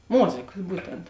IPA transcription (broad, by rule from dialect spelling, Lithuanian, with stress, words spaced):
ˈmoːzʲeːkɐs ˈbuːtʲɛnt